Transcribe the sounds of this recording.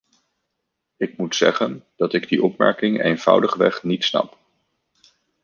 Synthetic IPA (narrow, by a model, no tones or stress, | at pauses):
ɪk̚mutsɛ̰χənd̥ɑtɪɡdiʔɔpmɛ̰ɹkɪŋḛjnv̥ʌ̰wdəχʋɛχnitsnɑ̰p